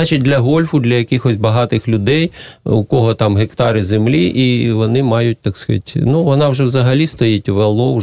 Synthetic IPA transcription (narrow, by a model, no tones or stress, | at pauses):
ɑt͡ʃit̚ʲd̪lʲɐɦɔlʲfʊd̪lʲɐjɐkɪxɔsʲbɐɦɑt̪ɪxlʲʊd̪ɛjʊkɔɦɔt̪ɑmɦekt̪ɑɾɪzemlʲiʔiʋɔnɪmɑjʊt̚ʲt̪ɑksktʲnuʋɔnɑwʒɛwzɐɦɐlʲist̪ɔjitʲʋelˠɔw